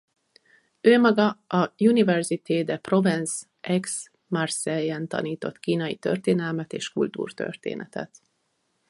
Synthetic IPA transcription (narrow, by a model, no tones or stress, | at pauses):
øːmɒɡɒʔɒjunivɛrzit̪ʰiːd̪ɛpro̞vɛns | ʔɛks | mɒrsɛjːɛnt̪ɒ̰niːt̪o̞t̪kiːnɒjḭt̪ø̰rt̪eːnɛlmɛt̪eːʃkult̪ṵːrt̪ø̰rt̪ḛːnʔɛt̪ɛ̰t̪